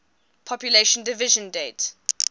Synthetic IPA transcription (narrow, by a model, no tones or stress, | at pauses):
pʰɔpjuleʃə̃ndɪvɪʒə̃ndet